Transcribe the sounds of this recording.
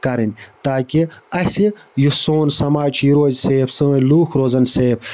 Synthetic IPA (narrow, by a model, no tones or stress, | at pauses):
kɐɾɐnʲt̪aːkiɐsijusoːnsɐmaːt͡ʃʰjiɾoːzseːpsoːnluːxɾoːzɐnseːp